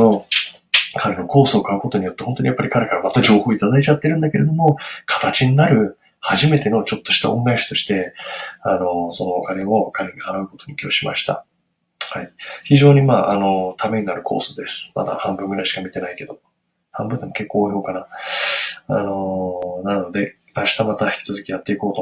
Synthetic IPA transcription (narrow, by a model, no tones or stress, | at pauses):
o | kʰaɾe̞no̞ko̞ːsɨːkaɯ̟ko̞t̪o̞ɲ̟ijo̞t̪ːe̞hont̪o̞ɲijapːaɾʲikaɾe̞kaɾamat̪ːad͡ʑo̞ːho̞ːit̪ad̪ait͡ɕat̪ːe̞ɾɯ̟̃nd̪ake̞ɾe̞d̪o̞mo̞kʰḁt̪at͡ɕiɲ̟inaɾɯ̟ | haʑime̞t̪e̞no̞t͡ɕo̞t̪ːo̞ɕi̥t̪a̰õ̞ŋɡaiɕḁt̪o̞ɕi̥t̪e̞ano̞so̞no̞kaɾe̞o̞kaɾe̞ɲ̟ihanaɯ̟ko̞t̪o̞ɲ̟ikʲioːɕima̰ɕi̥t̪a̰ | haiçiʑo̞ːɲ̟imaːʔano̞t̪ame̞ɲinaɾɯ̟kʰo̞̰ːsod̪e̞sɨ̥ma̰d̪a̰hãmbɯ̟ŋɡɯɾaiɕi̥kamʲit̪e̞naike̞d̪o̞ | hãmbɯ̟nd̪emoke̞kːo̞ːço̞ːkana | a̰no̞nano̞d̪e̞ | aɕi̥t̪amat̪açʲi̥kʲi̥t͡sɨzɨkʲijat̪ːe̞iko̞ːt̪o